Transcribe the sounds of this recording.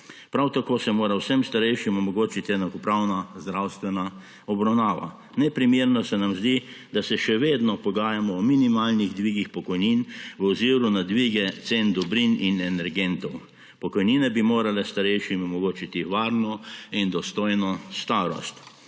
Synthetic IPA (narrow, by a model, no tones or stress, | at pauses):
pɾawt̪akoːsɛmoːɾawsɛmst̪aɾɛjʃimɔmɔɡoːt͡ʃit̪iɛnakɔpɾawnazd̪ɾawst̪ʋɛna | ɔbɾawnaːʋa̰ | nɛpɾimeːɾnɔsɛnamzd̪i | d̪asɛʃɛʋeːd̪nɔpɔɡaːjamɔːminimaːlniɣd̪ʋiɡixpɔkɔjninʋɔziːɾunad̪ʋiɡɛt̪send̪ɔbɾininɛnɛɾɡɛnt̪ɔw | pɔkɔjninɛbimoːɾalɛst̪aɾɛjʃimɔmɔɡoːt͡ʃit̪iʋaːɾnɔind̪ɔst̪ojnɔst̪aːɾɔ̰st̪